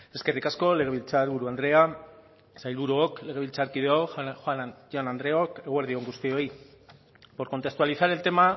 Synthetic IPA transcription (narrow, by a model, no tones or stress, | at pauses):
e̞ske̞rikasko̞le̞ɣ̞eβilt͡saɾβuɾuand̪ɾe̞a | sajlβuɾuokle̞ɣe̞β̞ilt͡saɾkið̞eoxoanʝoanand̪ɾe̞o̞keɣweɾð̞io̞ŋɡust̪io̞j | po̞ɾkont̪e̞st̪ualiθaɾe̞lt̪e̞ma